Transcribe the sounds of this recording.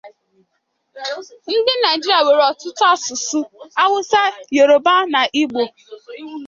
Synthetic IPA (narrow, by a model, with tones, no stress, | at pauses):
n̩˦dɪ˦na˨d͡ʒi˦ɾi˨a˨we˨ɾɔ˨tʊ˦tʊ˦a˦˨sʊ˨su˦a˦wʊ˦sa˦je˨ɾo˨ba˦na˨ʔi˦ɡ͡bo˨